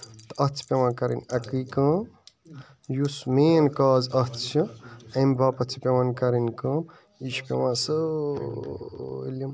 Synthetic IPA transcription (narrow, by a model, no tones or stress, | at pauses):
t̪ɐt͡sʰi̥pewãnkɐɾḭnakɨkəːm | jusmeːnkaːzɐt͡sʰɐɐmbapɐt͡sʰi̥pewankɐɾinkəːm | iʃʰi̥pḛwãːsə | ḭlim